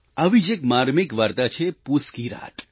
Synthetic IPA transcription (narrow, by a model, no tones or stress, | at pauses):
ɐʋid͡ʒekmaːɾmikʋaɾt̪at͡ʃʰepuskiɾa̰ːt̪